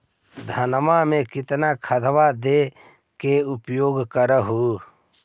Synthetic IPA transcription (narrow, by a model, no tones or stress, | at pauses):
d̪ʱənmamẽkɪt̪nakʰəd̪ʱʋad̪e | keʊpjoːɡkəɾəɦuː